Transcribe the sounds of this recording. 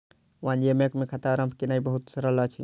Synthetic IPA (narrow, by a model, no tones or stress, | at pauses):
ʋãnemekmekʰɐt̪aɾəmpʰkinaibəɦut̪səɾəlat͡ʃʰḭ